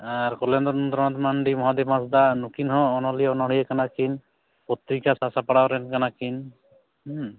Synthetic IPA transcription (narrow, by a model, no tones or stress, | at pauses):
aɾkɔlɛnd̪ɔnɔnt̪ɾɔnɔt̪maɳɖimɔɦad̪ibmasd̪anukinɦɔ̃ːnɔliɔnɔɽijɛkanakin | pɔt̪ɾikasasapaɽawɾɛnkanakin